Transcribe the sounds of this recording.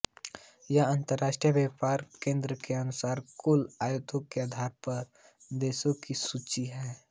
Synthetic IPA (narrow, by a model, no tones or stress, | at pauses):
jaãːnt̪əɾːaːʃʈɾijəbjaːpaːɾkẽːnd̪ɾəkeɐnʊsaːɾkʊlaːjut̪õkeaːd̪ʱaːɾpɐɾ | d̪eːsõkisuːt͡ʃiɦɛː